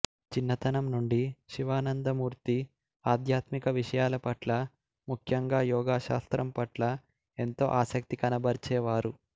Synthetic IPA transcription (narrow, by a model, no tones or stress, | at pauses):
t͡ʃinːɐt̪ɐnɐmnuɳɖiʃiʋaːnɐnd̪ɐmuːɾt̪i | aːd̪ʱjaːt̪mikɐʋiʂɐjaːlɐpɐʈlɐ | mukʰjɐŋɡaːjɔːɡaːʃa̰ːst̪ɾɐmpɐʈlɐ | e̞nt̪o̞̰ːʔaːsɐkt̪ikɐnɐbɐɾt͡ʃɛːʋaːɾu